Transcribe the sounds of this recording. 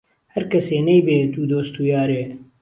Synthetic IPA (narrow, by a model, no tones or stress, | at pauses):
hɐɾkɐseːnɛjbeːd̪uːd̪oːst̪uːjaːɾeː